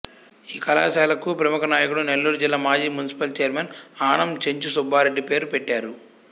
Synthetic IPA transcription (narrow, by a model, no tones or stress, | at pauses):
iːkɐla̰ːsaːlɐkupɾɐmukɐnaːjɐkuɽune̞lːuːɾud͡ʒilːaːmaːd͡ʒiːmunisi̥pɐlt͡ʃɛjɐɾmeːnaːɳɐmt͡ʃeɲt͡ʃusubʱaːɾeɖːipe̞ːɾupeʈːaːɾu